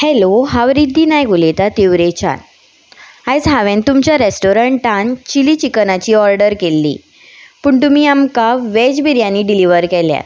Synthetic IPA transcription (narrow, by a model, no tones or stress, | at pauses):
hɛloɦaʋɾid̪ʱiːnajɡʱolet̪at̪iʋɾet͡ɕa̰n | ajd͡zɦaʋẽnt̪umt͡ɕjaɾesʈoɾəɳʈʈant͡ɕiliːt͡ɕiknat͡ɕiːɔɾɖəɾkelːḭː | pəɳt̪̬umiːamkaʋɛd͡ʑbʱiɾjãnːiːɖiliʋəɾkɛlja̰t̪